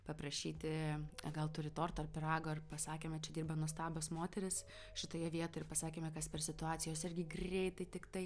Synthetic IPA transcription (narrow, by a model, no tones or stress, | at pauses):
pɐpɾɐʃʲiːt̪ʲɪɐɡɐlˠt̪ʊɾʲɪt̪oːrt̪ɐrpʲɪɾɑːɡoːɐrpɐsɑːkʲeːmʲɛt͡ʃʲɛd̪ʲiːrbɐnuɔs̬t̪ɑːbʲoːsmoːt̪ʲɛɾʲɪs | ʃʲɪt̪oːjɛʋʲiɛt̪oːjɪɾpɐsɑːkʲeːmʲɛkɐspʲɛrsʲɪt̪ʊɑːt̪sʲɪjoːsɪrʲɡʲɪɡrʲɛɪt̪ɐɪt̪ʲɪkt̪ɐɪ